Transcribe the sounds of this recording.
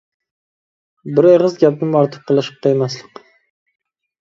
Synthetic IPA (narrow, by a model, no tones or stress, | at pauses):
bɪɾeʁɨzɡʲap̚nɪmɒɾt̪ʰɨ̥p̚qʰɨlˠɨʃɨ̥p̚qʰejemaslˠɪq